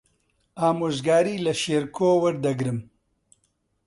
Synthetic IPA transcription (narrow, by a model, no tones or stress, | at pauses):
aːmoːʒɡaːɾiːlɐʃeːɾkʰoːwɐɾd̪ɐɡɾɨm